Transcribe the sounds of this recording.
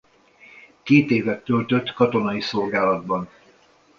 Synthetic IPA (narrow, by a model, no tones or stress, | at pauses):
keːt̪eːvɛt̪ːølt̪øt̪ːkɒt̪o̞nɒiso̞lɡaːlɒd̪bɒn